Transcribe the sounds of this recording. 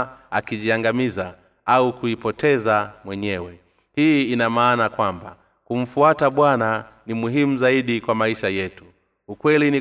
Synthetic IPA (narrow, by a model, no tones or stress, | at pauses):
akiʄiaŋɡamiza | aukuipɔtʰɛzamwɛɲɛwɛ | hiinamaːnakwamba̰ | kum̩fuataɓwana | nimuɦimuzaiɗikwamaiʃajɛtu̥ː | kwɛlini